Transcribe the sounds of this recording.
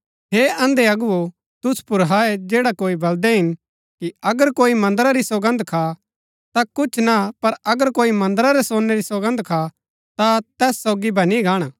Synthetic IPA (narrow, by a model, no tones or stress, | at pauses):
ɦeːɐ̃nd̪eɐɡʊo | t̪ʊspʊɾɦaːɛd͡ʒeːɽakoːibɐld̪ɛɦɪn | kiɐɡəɾkoːimɐ̃nd̪əɾaɾiswɐɡə̃nd̪kʰa | t̪akʊt͡ʃʰnapɐɾɐɡəɾkoːimɐ̃nd̪əɾaɾesoːnːeɾiswɐɡə̃nd̪kʰa | t̪at̪ɛːsːoːɡibɐniɡaːɽ̃aː